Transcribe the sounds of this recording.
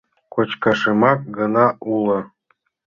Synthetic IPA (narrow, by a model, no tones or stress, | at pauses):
kot͡ɕkɑʃɤmɑk̚ɡɤ̆nɑʔulɤ̆